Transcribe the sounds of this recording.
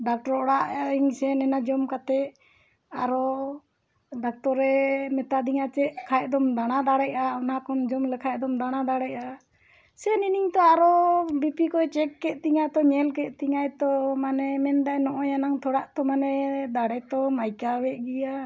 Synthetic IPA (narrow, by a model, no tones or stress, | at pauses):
ɖak̚ʈɔɾɔɽaʔiŋsɛnɛnad͡ʒɔmkat̪ɛʔ | aɾɔ | ɖak̚t̪ɔɾɛmɛt̪ad̪iŋat͡ʃɛʔkʰajd̪ɔmd̪aɽ̃ad̪aɽɛʔaɔnakɔnd͡ʒɔmlɛkʰajd̪ɔmd̪aɽ̃ad̪aɽɛʔa | sɛniniŋt̪ɔaɾɔbipikɔɛt͡ʃɛkːɛt̪̚ˀt̪iŋajt̪ɔɲɛlkɛt̪̚ˀt̪iŋajt̪ɔmanɛmɛnd̪ajnɔʔɔjanaŋt̪ʰɔɽaʔt̪ɔmanɛd̪aɽɛt̪ɔmajkawɛʔɡija